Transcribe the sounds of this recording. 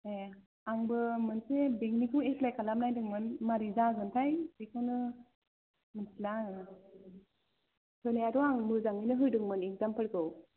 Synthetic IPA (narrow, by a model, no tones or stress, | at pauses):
e | aŋbɯmɯnsebeŋnikʰɯweplajkʰalam̚najdɯŋmɯnmaɾizaɡɯntʰajtikʰɯnɯ | mɯnsilaŋ | tʰɯnajaɾɔaŋmɯzaŋinɯɦɯjdɯŋmɯniŋzampʰəɽɡɯw